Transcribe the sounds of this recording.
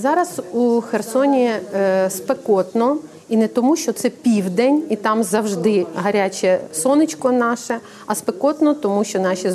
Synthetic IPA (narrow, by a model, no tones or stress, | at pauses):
zɑɾɐsuxersɔnʲispekɔt̪nɔ | inɛt̪ɔmuʃt͡ʃɔt̪sɛpʲiwd̪ɛnʲit̪ɑmzɐwʒd̪ɪɦɐɾʲat͡ʃʲɛsɔnɪt͡ʃkɔnɑʃɛ | ɐspekɔt̪nɔt̪ɔmuʃt͡ʃɔnɑʃʲi